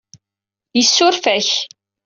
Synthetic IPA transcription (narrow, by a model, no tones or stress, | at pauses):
jəsːʊɾfæç